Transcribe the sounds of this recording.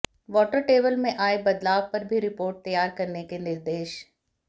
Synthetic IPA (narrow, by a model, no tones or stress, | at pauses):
ʋɔːʈəɾʈeːbəlmẽʔaːebɐd̪laːʋpɐɾbʱiɾɪpoːɾʈ̚t̪ɐjaːɾkɐɾnekenɪɾd̪eːʃ